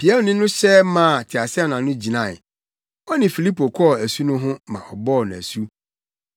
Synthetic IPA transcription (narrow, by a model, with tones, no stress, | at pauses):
pi˨ɛ˦lnɪ̃˦nʊ̃˦ɕɛ˦mã˦˨tʰɪ˨a˨sɪ˦a˦˨n˨ã˨˦nʊ̃˦d͡ʑi˨nã˦˨ | ɔ˦nɪ̃˨fi˨li˦po˨kʰɔ˦˨æ˨su˦nʊ̃˦ɦʊ̃˦mã̰˨ʔɔ˨bɔ˦˨ñ˨æ̰˨su˦